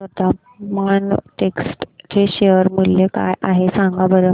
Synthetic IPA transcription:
ət̪a | manʈeksʈteɕeəɾmuljeka̰jʔaɦesaŋɡabəɾə

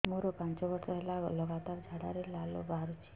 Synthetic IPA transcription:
muɾopãɲt͡ʃɔʋəɾʂɔɛlaɡ̰ləɡat̪aɾd͡ʒʱaɽa̰ɾelalo̰bʱaɾut͡ʃʰ

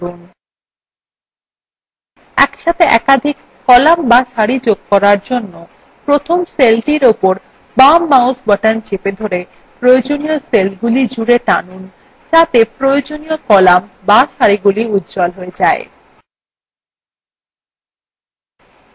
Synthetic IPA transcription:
un | ɛ̰kʃat̪ʰeʔɛkad̪ʱikːɔlambaʃaɾid͡ʑoɡ̚kɔɾaɾd͡ʑonːo | pɾot̪ʰomselʈiɾopoɾ | bamːawsbɔʈant͡ɕeped̪ʱoɾe | pɾojod͡ʑonijoselɡulid͡ʑuɾeʈanun | t͡ɕat̪epɾojod͡ʑonijokɔlambaʃaɾiɡuliut̪ːd͡ʑɔlɦoed͡ʑae

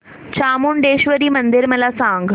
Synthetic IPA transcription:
t͡ɕʰaːmunɖeːʃʋəɾimɐ̃nd̪ɪɾmɐlaːsãːŋɡ

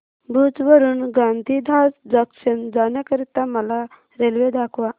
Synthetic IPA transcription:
bʱut͡sʋəɾuːnɡãnd̪ʱid̪ʱasd͡zəkɕənd͡zanjakəɾit̪aməla | ɾelʋed̪akʰʋa

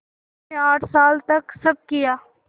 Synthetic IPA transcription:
eaːʈʰsaːlt̪ɐksɐb̚kijaː

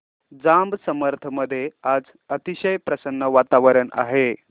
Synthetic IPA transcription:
d͡zambsəməɾt̪ʰəməd̪ʱːjead͡z | ət̪iɕəjpɾəsənːəʋat̪aʋəɾəɳa̰ɦe

